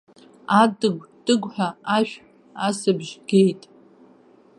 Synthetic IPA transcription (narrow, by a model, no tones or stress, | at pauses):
adʼɨɡʷd̥ʼɨɡʷħaaʃᶣ | asɨbʒɡʲe̞jtʼ